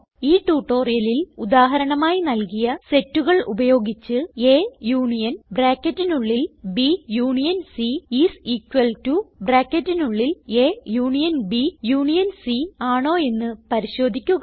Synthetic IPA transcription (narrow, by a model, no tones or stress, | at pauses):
iːʈuːʈːo̞ːrijɐlilud̪aːɦɐɾɐɳɐmaːjinɐlkijɐse̞tːuɣɐɭʔṵbɐjo̞ːɡit͡ɕːɨeːjuːɳijɐnbraːkːɐtːinuɭːilbijuːɳijɐnsiisiːkwɐltubraːkːɐtːinuɭːileːjuːɳijɐnbijuːɳijɐnsiaːɳo̞ːe̞nːɨpɐɾiɕo̞ːd̪ʱikʲːuɣɐ